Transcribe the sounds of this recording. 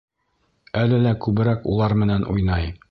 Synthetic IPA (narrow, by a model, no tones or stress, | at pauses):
ælɘlækʉβɘ̆ɾækṵlˠɑɾmɘ̆nænʔṵjnɑj